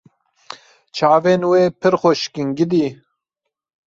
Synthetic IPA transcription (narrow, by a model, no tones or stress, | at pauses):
t͡ʃʰaːveːnweːpʰɨɾxoʃkɨŋɡɪd̪i